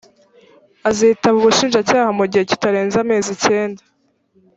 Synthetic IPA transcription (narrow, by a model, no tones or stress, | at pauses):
aziitaβuβuʃiːnʒacaːhamuɟihe̞ci̥taɾeːnzame̞ːzice̞ːnda